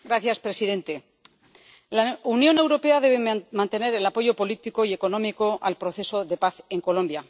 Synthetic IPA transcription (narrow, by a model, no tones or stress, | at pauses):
ɡɾaθjaspɾe̞siðe̞nt̪e̞ | launjo̞ne̞wɾo̞pe̞aðe̞β̞emãnt̪e̞ne̞ɾe̞lapo̞ʝo̞po̞lit̪iko̞ie̞ko̞nõ̞miko̞ʔalpɾo̞θe̞so̞ðe̞paθe̞ŋko̞lõ̞mbja